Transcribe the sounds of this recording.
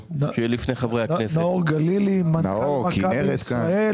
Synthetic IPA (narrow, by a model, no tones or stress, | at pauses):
naʃejɛlifnejχavʁejhaknesnaoʁɡalilimana̰amakabisʁae